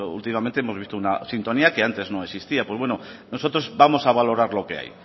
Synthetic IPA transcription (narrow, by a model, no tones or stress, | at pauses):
ṵlt̪imament̪eemoβist̪ounasint̪o̞niake̞ant̪e̞zno̞e̞sist̪iapwe̞zβwe̞nono̞so̞t̪ɾo̞zbamo̞saβalo̞ɾaɾlo̞ke̞a̰j